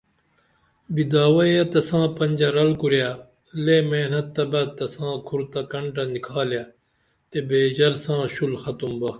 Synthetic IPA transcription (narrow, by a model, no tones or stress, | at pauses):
bid̪aːwɐjɐt̪ɐsãːpɐ̃ɲʲd͡ʑɐɾɐlkuɾjaː | lemeːnɐt̪ːɐbɐt̪ɐsãːkʰuɾt̪ɐkɐɳʈɐnikʰaːlja | t̪ebeːd͡ʑɐɾsãːɕulxɐt̪umbɐ